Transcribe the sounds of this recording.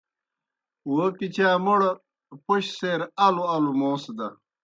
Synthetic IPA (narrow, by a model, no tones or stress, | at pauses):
wokit͡ɕaːmuɽ | poɕseːɾɐluɐlumõːsd̪ɐɾ